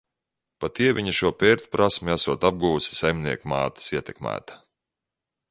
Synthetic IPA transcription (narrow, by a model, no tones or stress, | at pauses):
pat̪iɛviɲaʃuɔpɛːɾt̪ʲpɾʔasmiasuɔt̪ab̚ɡuːsi̥sajmniɛkmaːt̪i̥siɛt̪ʲɛkmæ̰ːt̪ḁ